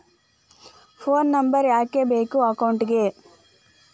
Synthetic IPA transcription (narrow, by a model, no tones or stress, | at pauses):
pʰoːnːɐmbɐɾjaːkebeːkuɐkɐwɳʈiɡe